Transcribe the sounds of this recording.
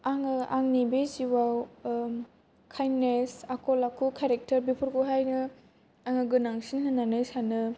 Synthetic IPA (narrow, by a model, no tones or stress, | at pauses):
aŋɯaŋnibeziwaw | kʰajnesakʰɔlakʰukʰeɾek̚tɐɾbipʰuɾkuɦajnɯ | aŋɯɡɯnaŋsinhɯnːanɯsanɯ